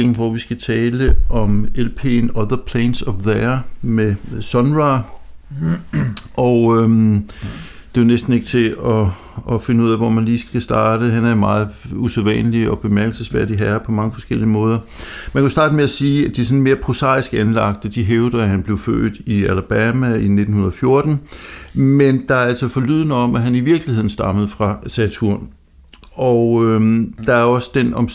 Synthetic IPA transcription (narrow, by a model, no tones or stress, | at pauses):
en̩ʋɒʋisɡ̥æt͡sʰɛːləʔɒ̽melpʰe̝̰nɒ̽ðˠɐpʰlɛɪnsɒfðeɐmesɒnʁɑ | ʔɒø | d̥e̝jonesd̥n̩e̝ɡ̥ə̥t͡sʰe̝ɒ̽ | ɒ̽fe̝nəuð̰ˠɛʋɒmænliːsɡ̥æsd̥ɑ̈ːd̥əɦænæɐmɑ̈ːð̞̩ˠuseðˠʋɛ̰nəliɒ̽b̥e̝mæɐɡ̥l̩səsfæɐ̰diɦæɐpʰɒ̽mɑ̈ŋəfɒ̽sɡ̥el̰iəmɔ̽ːð̞ˠɐ | mænkʰusd̥ɑ̈ːd̥əmeæsiːæd̥iæsɔ̽n̩me̝ːɐpʰʁo̝sɑ̰̈ːisɡ̥ænlɑ̈ɡ̥̚d̥əd̥iɦeʊd̥ɐɦænb̥le̝ʊfø̰ːd̥ˠiælb̥æmæine̝̥n̩hunɐðˠfjo̝ɐd̥n̩ | mend̥ɑ̈æɐæl̰sɒfɒ̽lyð̞̰ˠnəɒ̽mʔæɦæniʋiɐɡ̥lihe̝ð̰ˠn̩sd̥ɑ̈məð̞̩ˠfʁɑ̈sæt͡sʰuɐ̰n | ɒʊød̥ɑ̈æɐɒ̽sə̥d̥enɒ̽m